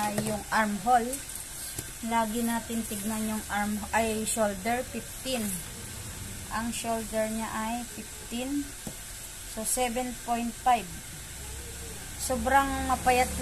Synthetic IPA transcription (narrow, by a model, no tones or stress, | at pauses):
ajːʊŋʔaɹmɦol | laːɡɪnaːt̪ɪnt̪ɪɡ̚nanjʊŋaɹmʔɐjʃold̪ɛɹfɪft̪ɪn | ʔɐŋʃold̪ɛɹɲaʔajfɪf̚t̪ɪn | sosɛbɛnpojnt̪̚fajb | sobɾaŋmɐpɐjat̪